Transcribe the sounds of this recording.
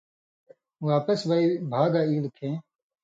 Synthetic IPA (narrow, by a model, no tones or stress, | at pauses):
waːpɐsbaibʱaːɡaːiːlkʰẽː